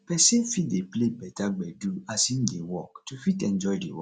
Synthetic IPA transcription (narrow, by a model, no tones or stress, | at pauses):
pɛsĩfideplebɛtaɡ͡bɛduasĩn̩dewɔk̚tufitɛ̃nd͡ʒɔidewɔ